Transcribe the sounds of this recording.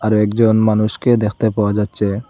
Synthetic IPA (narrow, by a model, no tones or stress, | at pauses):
aɾoɛkd͡ʑonmanuʃked̪ekʰt̪epaoad͡ʑatːɕʰe